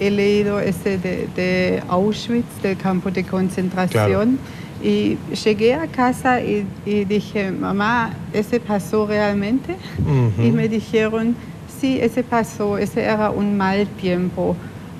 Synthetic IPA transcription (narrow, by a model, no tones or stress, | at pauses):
eleiðoɛsededeaʊʃvit͡sd̥elkʰampodekʰont͡sent̪ʁasjon | ʔiʃeɡeakʰasaʔiidixema̰maɛsepʰasoʁealmẽnte | imedixeʁon | siʔɛsepasoɛseʔɛːʁɐʔunmalt̪jɛmpo